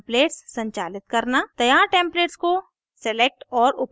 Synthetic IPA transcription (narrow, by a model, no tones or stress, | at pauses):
pleːʈsːɐ̃ɲt͡ʃa̰ːlɪt̪̚kɐɾnat̪ɐjaːɾʈẽːmpleːʈsko | sɛlek̚ʈɔːɾʊp